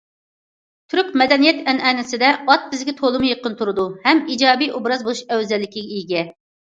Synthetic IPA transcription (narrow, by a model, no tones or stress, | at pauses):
t̪ʰyɾkʲmɛd̪ɛnijɛt̪ɛnɛnɪsɪd̪ɛɑt̪̚bɪzɡʲɛt̪ʰolˠɨmujəqənt̪ʰuɾɨd̪uhɛmid͡ʒɑːbijobɾɑzbolˠuʃɛwzɛlːɪkʲiɡʲɛijɡʲɛ